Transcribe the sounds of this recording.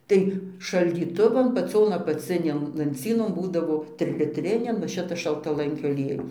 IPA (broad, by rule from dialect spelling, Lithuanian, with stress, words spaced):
ˈtɐɪ ʃɐlʲdʲiːˈtʊʋɐn pɐˈt͡sʲoːn ɐpɐˈt͡sʲɪnʲeːn lˠɐnʲˈt͡sʲiːnoːn ˈbuːdɐʋoː tʲrʲɪlʲɪtʲˈrʲɪnʲɛn nʊ ˈʃʲɪtɐs ʃɐlˠtɐˈlˠɐŋʲkʲoː ɐˈlʲiɛjʊs